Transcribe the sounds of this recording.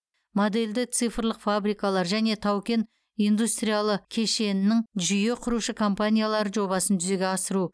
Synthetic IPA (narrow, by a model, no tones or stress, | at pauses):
mod̪e̞ld̪ɪt̪sɨjfɾlˠəqfabɾijkalˠɑɾʒæne̞t̪ʰɑwkʲe̞n | ijnd̪ust̪ɾijalˠəkʲʰe̞ʃe̞nɪnːɪŋʒʏje̞qʰʊɾuʃəkʰo̞mpanʲijalˠɑɾəʒo̞βɑsənt̪ʰʏze̞ɡʲeɑsəɾu